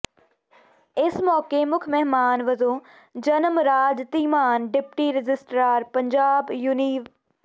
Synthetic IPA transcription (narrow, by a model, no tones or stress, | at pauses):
ɪsmɔːkemʊkʰmɛɦmaːnʋɐzõː | d͡ʒɐnəmɾaːd͡ʒt̪iːmaːnɖɪpʈiɾɪd͡ʒɪsʈɾaːɾpɐ̃ɲd͡ʒaːbjuniːʋ